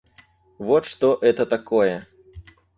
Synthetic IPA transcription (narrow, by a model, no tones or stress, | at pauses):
vɔt̪ʂt̪ɔʔɛt̪ɐt̪akɔjɛ